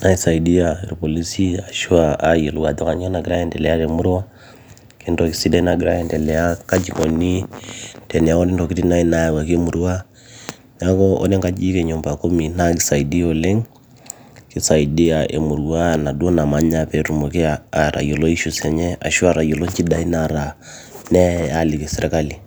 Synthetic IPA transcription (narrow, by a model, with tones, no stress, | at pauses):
na˦i˦sa˨i˨di˦a˨i˨ɾpo˨li˦si˦a˨ʃu˦a˦a˦je˨lu˨ɡa˨t̪ɔ˦ka˨ɲo˦na˨ɡi˦ɾa˦ɛ˦ndɛ˨lɛ˨a˦ɾe˨mu˦ɾo˦ | ki˦ndo˨ki˨si˦dɛ˦na˨ɡi˨ɾa˦jɛ˦ndɛ˨lɛ˨a˦ka˦d͡ʒi˨ko˨ni˦d̥ɛ˨n˨a˨˦ko˦ni˦ndɔ˨ki˦ti˦na˦i˦na˦ja˨wa˨ke˦mu˨ɾu˦a˦ | n˨a˦kɔ˦ɔ̰˦ne˦ŋka˦d͡ʒi˦kɛ˨ɲo˨mba˨ko˦mi˨na˦ki˦sa˨i˨di˦o˨le˦ŋ | ki˦sa˨i˨di˦a˨ʔḛ˨mu˨ɾu˦wa˦˨na˨do˦na˨ma˦ɲa˦pɛ˨ɾu˨mo˨ki˦aa˨ɾa̰˨jo˨lo˦i˦ʃu˨sɛ˨ɲɛ˦a̰˨ʃu˦a˨ɾa˨jo˨lo˦ɲt͡ʃi˦da˨i˦na˨ɾa˨ | nɛ˦a˨li˨ki˨sɛ˨ɾɛ˨ka˦li˨